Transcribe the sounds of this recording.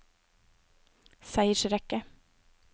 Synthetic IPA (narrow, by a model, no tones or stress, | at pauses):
sæɪəʂɾɛkə